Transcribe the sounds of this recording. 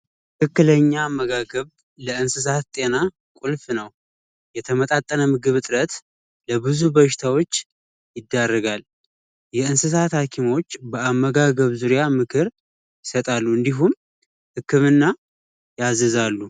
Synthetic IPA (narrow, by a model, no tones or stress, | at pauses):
kɨkːɨləɲːamːəɡaɡəβ | ləɨnsɨs̬at̪t̪ʼe̞na | kʷʼulfnəw | jɛt̪ʰəmət̪ʼat̪ʼːənəmɨɡɨβɨt̪ʼɨɾət̪ | ləbɨzubəʃɪ̥t̪ʰawo̞t͡ʃː | jɪd̪ːarːəɡal | jɛɨnsɨs̬at̪hakʰimo̞t͡ʃːbəamːəɡaɡəβzuɾijamɨkʰɨɾ | jɪsət̪ʼalːuɨnd̪iɦum | hɨkːɨmɨnːa | jazəzalːu